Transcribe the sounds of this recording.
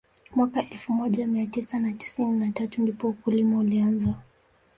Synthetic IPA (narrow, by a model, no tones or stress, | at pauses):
mwakaʔɛlfumɔʄamiatisanati̥sininatatundipɔukulimaulianza